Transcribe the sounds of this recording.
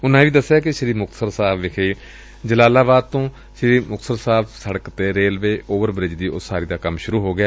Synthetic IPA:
ʊnːãːʋiːd̪əsːjaːkɪʃəɾiːmʊk̚t̪səɾsaːbʋɪkʰeiː | d͡ʒəlaːlaːbaːd̪̚t̪õː | ʃəɾiːmʊk̚t̪səɾsaːbsəɽəkt̪eːɾeːlʋeːʔoːʋəɾbɾɪd͡ʒd̪iːʊsːaːɾiːd̪aːkəmʃʊɾuːɦoːɡɪaː

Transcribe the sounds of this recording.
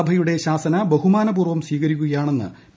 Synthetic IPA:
ɐbʱɐjuɽe̞ɕaːsɐnɐbɐɦumaːnɐbuːrʋɐmsʋiːɣɐɾikʲːuɣɐjaːɳe̞nːɨ̰

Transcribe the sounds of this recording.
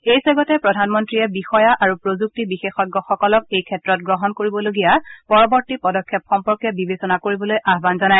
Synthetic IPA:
ejsɛɡɔtɛpɹɔdʱanmɔntɹiɛbixɔjaʔaɹupɹozuk̚tibixexɔɡːɔxɔkɔlɔk̚ejkʰɛtɹɔt̚ɡɹɔɦɔnkoɹibɔloɡijapɔɹɔbɔɹtipɔdɔkʰːɛpxɔmpɔɹkɛbibesɔnakoɹibɔlojʔaɦbanzɔnaj

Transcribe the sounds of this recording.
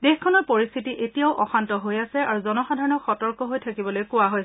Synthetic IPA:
dexkʰɔnɔɹpoɹist̪ʰitiʔetijaʊʔɔxantɔɦojasɛaɹuzɔnɔxadʱaɹɔnɔkxɔtɔɹkɔɦojtʰakibɔlojkʊwaɦoj

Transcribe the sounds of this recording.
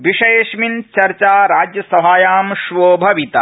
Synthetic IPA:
ʋiʃɐjeːʃmint͡ʃɐɾt͡ʃaːɾaːd͡ʒjɐsɐbaːjaːmʃʋoːbʱɐʋit̪a̰

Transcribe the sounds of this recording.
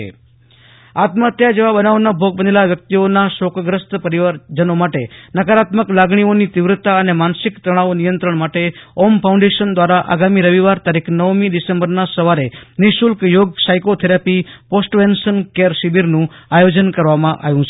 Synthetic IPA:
ḛ | at̪mət̪jad͡ʒeʋabənaʋonabʱoɡ̚bənelaʋjək̚t̪ionaʃokɡɾəst̪pəɾiʋaɾd͡ʒənomaʈenəkaɾat̪məklaɡɳ̃ionit̪ɪʋɾət̪aənemansɪkt̪ɾəɽ̃aonijənt̪ɾəɳ̃maʈeɔmpʰaũɳɖeʃənd̪ʋaɾaʔa̰ɡamiɾəʋiʋaɾt̪aɾikʰnəʋmid̪isẽmbəɾnasəʋaɾenɪʃulkjoɡsajkot̪ʰɛɾapiposʈʋensənkeɾʃibiɾnũajod͡ʒənkəɾʋamãʔa̰ʋjũt͡ʃʰ

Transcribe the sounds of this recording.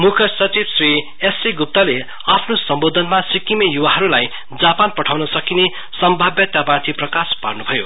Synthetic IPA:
mukʰʌsʌt͡sibsri | esiɡup̚t̪ale | apʰnosʌmbod̪ʱʌnmasikimejuwaɦʌɾulaj | d͡zapanpʌʈʰawnʌsʌkine | sʌmbʱabjʌt̪jabãt̪ʰiprʌkaspa̰rnubʱʌjo̰

